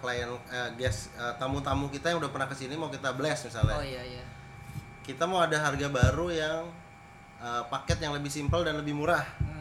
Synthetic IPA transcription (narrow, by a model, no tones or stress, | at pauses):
klajənəɡɛsət̪amut̪amukit̪ajaŋudahpərnahkəsinimaukit̪abəlɛsmisalɲa | kit̪amauwadaɦarɡabaɾujaŋ | əpakɛt̪jaŋləbɪhsimpəldanləbɪhmuɾah